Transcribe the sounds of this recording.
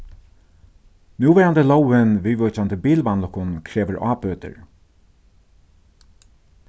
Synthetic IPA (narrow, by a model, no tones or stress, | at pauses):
njuːʋɛːɾand̪əlɔwənʋiːʋɔt͡ʃand̪əbiːlʋanlɔkʊnkʰɹeːʋəɹʔɑ̰ːpøːt̪ə̰ɹ